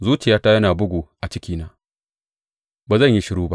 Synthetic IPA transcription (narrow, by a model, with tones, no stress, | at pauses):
zuː˦t͡ʃɪ˨jaː˨˦ta˦jɐ˦naː˨bʊ˦ɡʷu˨ʔa˨t͡ʃɪ˦kʲiː˦naː˦ | baː˨zɐ˦˨ɲji˦ʃɪ˨ɾuː˦ba̰˦ʔ